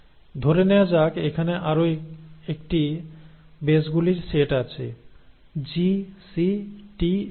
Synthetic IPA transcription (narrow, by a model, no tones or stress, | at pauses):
d̪ʱoɾenewad͡ʑakekʰaneʔaɾoekʈi | besɡuliɾseʈat͡ɕʰḛ | d͡ʑisiʈi